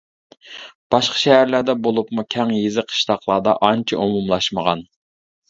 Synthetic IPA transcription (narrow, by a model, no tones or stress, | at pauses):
b̥ɑʃqʰɑ̥ʃɛhæɾlæɾd̪ɛbolˠupmukʲʰɛŋjezɪqʰːə̥ʃt̪ɑqlˠɑːd̪ɑʔɑnt͡ʃʰiʔomumlˠɑʃməʁɑn